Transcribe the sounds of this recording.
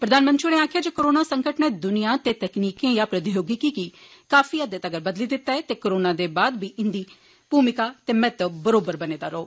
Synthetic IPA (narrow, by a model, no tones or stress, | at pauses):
pɾəd̪aːnmə̃nt̪ʃuneːaːkʰɪjaːd͡ʒeːkoɾoːnaːsəŋkəʈnẽːd̪ʊnijãːt̪eːt̪ɛkniːkẽːjaːpɾəd̪ɪjoːɡikikikaːfʰiːəd̪eːt̪əɡəɾbəd̪liːd̪ɪt̪ːaːɛːt̪eːkoɾoːnaːd̪eːbaːd̪biːʔɪ̃nd̪iː | puːmɪkaːt̪eːmɛ̃ːt̪əbəɾoːbəɾbəneːd̪a̰ːɾoː